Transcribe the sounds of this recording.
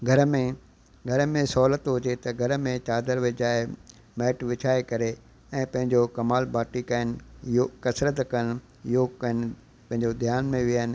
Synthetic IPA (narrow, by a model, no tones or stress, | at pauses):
ɡʱɐɾəmẽ | ɡʱɐɾəmẽsɔːlət̪ɦʊd͡ʑet̪ɐɡʱɐɾmẽt͡ɕaːd̪əɾʋɪd͡ʑaːɪ | mɛːʈʋɪt͡ɕʰaːekɐɾe | ɛ̃ːpɐ̃ɦɪ̃ɲd͡ʑokɐmaːlbaːʈikaːɪnɪ̆okɐsɾət̪kɐn | ɪɦoːkɐnɪ̆ | pɐ̃ɦɪ̃ɲd͡ʑod̪ʱjaːnmẽʋiaɦənɪ̆